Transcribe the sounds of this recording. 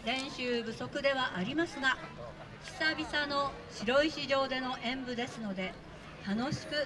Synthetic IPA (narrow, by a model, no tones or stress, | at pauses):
ɾẽ̞ɰ̃ɕɨːbɯ̟so̞kɯ̟d̪e̞βaʔaɾʲimasɨɡa | çi̥sabʲisano̞ | ɕiɾo̞iɕiʑo̞ːd̪e̞no̞ʔẽ̞mbɯ̟d̪e̞sɨno̞d̪e̞ | t̪ano̞ɕi̥kɯ̟